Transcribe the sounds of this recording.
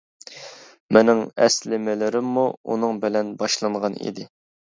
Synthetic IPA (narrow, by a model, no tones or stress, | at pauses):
menɪŋɛslɪmɪlɪɾɪmːuṵnɨŋbɪlɛnbɑʃlˠɨɴʁɑnḭd̪ɪ